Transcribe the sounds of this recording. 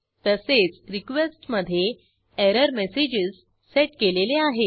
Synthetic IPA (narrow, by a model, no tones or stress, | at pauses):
t̪əset͡sɾikʋesʈməd̪ʱːje | eɾəɾmesed͡ʑiz | seʈkeleleaɦe